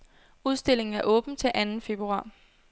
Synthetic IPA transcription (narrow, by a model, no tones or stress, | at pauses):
uð̞ˠsd̥e̝l̰e̝ŋn̩æɐʔɔ̽ːb̥n̩t͡sʰe̝lʔænn̩fe̝b̥ʁuɑ̰̈ː